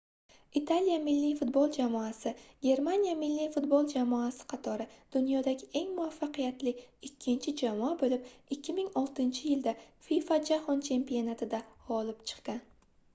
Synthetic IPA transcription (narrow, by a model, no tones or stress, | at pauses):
it̪ʰalijamɪlːijfʊt̪̚bolˠd͡ʒamɒasɪɡʲe̞ɾmanijamɪlːijfʊt̪bolˠd͡ʒamɒasɪ̥qʰɑt̪ʰɒɾɪd̪̥ʊnjɒd̪aɡʲɪʔe̞ŋmʊafːaqʰɨjat̪lɪɪkʲʰːɪnt͡ʃʰɪd͡ʒamɒabolɪp̚ɪkʲːɪmɪŋɒlˠt̪ɪnt͡ʃʰɪjɪld̪afijfad͡ʒahɒnt͡ʃʰe̞mpionat̪ʰɪd̪aɒlɪpt͡ʃʰɨ̥qkan